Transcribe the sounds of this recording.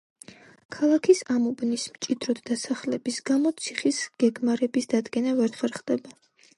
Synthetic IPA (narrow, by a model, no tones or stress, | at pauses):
kʰalˠakʰisamɔbnismt͡ʃʼid̪ɾɔt̪ʰd̪asaχlɛbisɡ̥amɔt̪sʰiχisɡ̥ɛɡmaɾɛbisd̪ad̪ɡɛnavɛɾt̪ʰvɛɾχd̪ɛba